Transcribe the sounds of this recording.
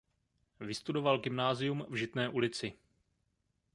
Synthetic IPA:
vɪst̪udo̞valɡɪmnaːzɪjumvʒɪt̪nɛːʔulɪt͡sɪ

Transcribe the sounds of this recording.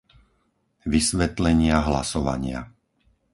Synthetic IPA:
ʋisʋɛt̪lɛɲɪaɦla̰sɔʋa̰ɲɪa̰

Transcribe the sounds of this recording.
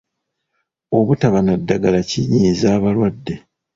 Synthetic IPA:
o̞βutaβanadːaɡalaciɲiːzaːβalwadːe̞

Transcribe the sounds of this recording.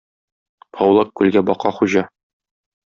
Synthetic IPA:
pʰɒwlˠɑkkːʉlɡæbɒqɑχuʑɑ

